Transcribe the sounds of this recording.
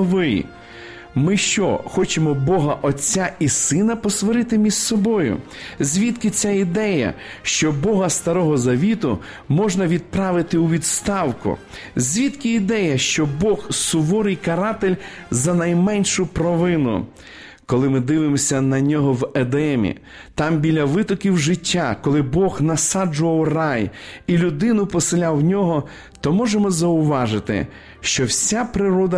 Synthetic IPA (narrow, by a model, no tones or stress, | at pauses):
ʋɪ̰ | mɪʃt͡ʃɔ̰xɔt͡ʃemɔbɔɦɐʔɔt͡sʲːaisɪnɐpɔsʋɔɾɪt̪ɪmʲizsɔbɔjʊ̰ | zʲʋʲit̪kɪt͡sʲaid̪ɛjɐ̰ | ʃt͡ʃɔbɔɦɐst̪ɐɾɔɦɔzɐʋʲit̪ʊ | mɔʒnɐʋʲid̪̚pɾɑʋɪt̪ɪuʋʲid̪st̪ɑwkʊ̰ | zʲʋʲit̪kɪid̪ɛjɐʃt͡ʃɔbɔxsʊʋɔɾɪjkɐɾɑt̪elʲzɐnɐjmɛnʲʃʊpɾɔʋɪnʊ̰ | kɔlˠɪmɪd̪ɪʋɪmɔsʲɐnɐnʲɔɦɔwed̪ɛmʲḭ | t̪ɑmbʲilʲɐʋɪt̪ɔkʲiwʒɪtʲːakɔlˠɪbɔxnɐsɑd͡ʒʊʋɐwrɑjilʲʊd̪ɪnʊpɔsɪlʲawnʲɔɦɔ | t̪ɔmɔʒemɔzɐʊʋɑʒɪt̪ɪ̰ | ʃt͡ʃɔwsʲapɾɪɾɔd̪ɐ